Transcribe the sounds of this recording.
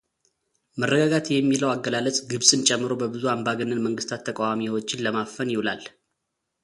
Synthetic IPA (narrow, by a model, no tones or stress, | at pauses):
mərːəɡaɡat̪jɛmːiləwaɡːəlalət͡sʼɡɨβsʼɨnt͡ʃʼɛmːɨɾo̞bəbɨzuambaɡənːɨnməŋɡɨst̪ʰat̪ʰːəkʼawamiwot͡ʃːɪnləmafənjɪwulal